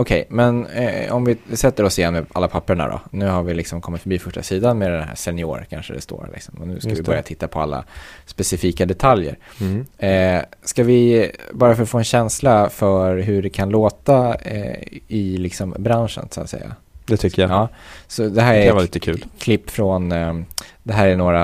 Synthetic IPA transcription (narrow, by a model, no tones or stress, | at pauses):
ɔkʰɛjmɛnɔmvɪsɛt̪ːəɾɔsɪjɛnːmɛʔa̰lːapʰapːəɳa̰d̪ɔ̰nʉ̟ːhaɾvɪlɪksɔmkʰɔmːɪt̪fœɾbiːfœʂʈa̰siːd̪anmɛd̪ɛnhæ̰ʂɛnɪoːɾkʰa̰nʂəd̪ɛ̰st̪o̰ːɾlɪ̰ksɔmɔnʉ̟ːskkavɪbœɾja̰t̪ʰɪt̪ːapʰɔa̰lːa̰spɛsɪfiːkad̪ɛt̪ʰaljə̰ɾ | skavɪbɑːɾafœɾɔt̪foːɛnɕɛnslafœɾɦɵɖɛkʰanloːt̪a̰ | ɪlɪksɔmbɾanʂə̰nsa̰t̪sɛ̰jːa̰ | d̪ɛt̪ʰʏkːəjaɑːsɔd̪ɛɦæːɾæɾalit̪əkʰʉ̟ːlkʰlɪpːfɾɔn | d̪ɛɦæːɾæɳoːɾa